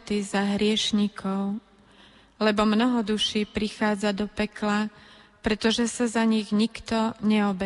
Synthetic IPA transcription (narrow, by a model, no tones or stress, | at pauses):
t̪izaɦɾɪɛʃɲikʰɔʊ | lɛbɔmnɔɦɔd̪uʃiːpɾixaːd͡zad̪ɔpɛklapɾɛt̪ɔʒɛsazaɲiɣɲikt̪ɔɲɛɔbɛ